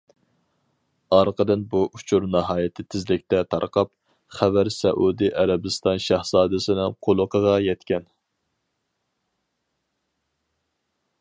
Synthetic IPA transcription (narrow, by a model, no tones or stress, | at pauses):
ɑɾqʰəd̪ɨnbuʔut͡ʃʰuɾnɑɦɑːjɪt̪ʰɪt̪ʰɪzlɪkʲt̪ɛt̪ʰɑ̰ɾqʰɑp̚ | χævæɾsɛʔud̪iʔæɾɛbɪst̪ɑnʃæhsɑːd̪ɨsɪnɪŋqʰolˠʊqʰəʁɑjɛt̪kʲɛn